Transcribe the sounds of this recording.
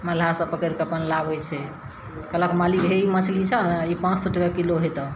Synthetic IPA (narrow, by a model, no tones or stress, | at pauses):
məlasə̃pəkəɾkəpənlabəjt͡ʃʰɛ | kələkmalikɦeimət͡ʃʰlit͡ʃʰəipãt͡ʃsɔʈəkakiloɦet̪ə